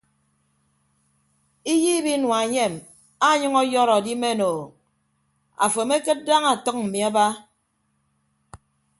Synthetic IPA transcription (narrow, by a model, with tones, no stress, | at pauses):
i˦ji˦bi˦nwa˨ɲe˦˨m | a˦ɲɨ˦ŋɔ˦jɔ˦ɾɔ˨di˦me˦˨noː˨ | a̰˨fo˨me˦kɨ˦t̚da˦ŋa˨tɔ˦k̚m̩˨mi˨a˦ba˦